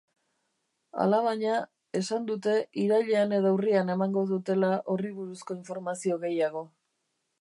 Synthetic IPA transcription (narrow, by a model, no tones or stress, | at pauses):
a̰laβaɲa | e̞sand̪ut̪e̞iɾaʎeane̞ðoawriane̞maŋɡo̞ðut̪e̞laʔo̞riβ̞uɾusko̞iɱfo̞ɾmasio̞ɣe̞jaɣ̞o̞